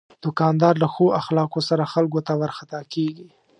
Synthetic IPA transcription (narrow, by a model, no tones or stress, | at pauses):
d̪̥ʊkɑnd̪ɑɾlaxoʔaxlɑkosaɾaxalɡot̪awaɾxat̪ɑkeɡi